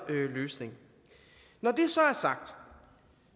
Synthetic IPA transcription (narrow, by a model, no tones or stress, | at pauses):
øløːsne̝ŋ | nɒd̥e̝sɒ̽æɐsɑ̈ɡ̥̚d̥